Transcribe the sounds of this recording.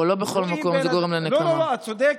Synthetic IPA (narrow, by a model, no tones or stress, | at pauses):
olo̞beχo̞lmako̞mzeɡoʁemleneamaod̪ek